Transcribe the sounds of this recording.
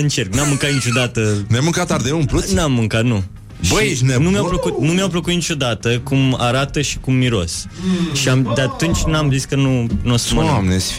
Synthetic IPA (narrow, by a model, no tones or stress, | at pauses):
ɨnt͡ʃerk̚nuamːɨ̃ŋkat̪nit͡ʃʲod̪at̪ənɛmɨ̃ŋkat̪ːaɾðeũpɾut̪namːɨ̃ŋkat̪nu | ʃbəʃnɛnumeawpləkut̪numeawpləkut̪nit͡ʃʲod̪at̪əkuma̰ɾat̪əʃi̥kumːiɾo̰sʃiamd̪at̪unt͡ʃʲnamziskənunosmaamnes